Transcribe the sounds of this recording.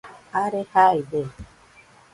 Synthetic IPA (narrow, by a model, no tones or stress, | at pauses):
aɾehaid̪e